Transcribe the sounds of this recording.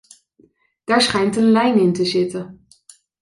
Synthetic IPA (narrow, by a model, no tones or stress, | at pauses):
d̥aːɹsχɛjntənlɛjnɪntəzɪtə